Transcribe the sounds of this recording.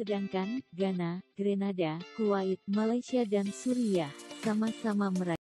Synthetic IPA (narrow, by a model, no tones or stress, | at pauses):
ədaŋkanɡanaɡ̥ɾenadakuwait̪̚malajsiadansuɾiahsamasamaməɾa